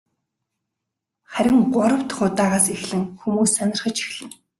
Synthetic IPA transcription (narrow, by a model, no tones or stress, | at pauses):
χæɾʲɪ̆ŋɢʊɾə̆wt̪χʊt̪aːʁaːsixɮɘ̆ŋxumuːsːanʲɪ̆rχə̆t͡ɕʰi̥xɮɘ̆ŋ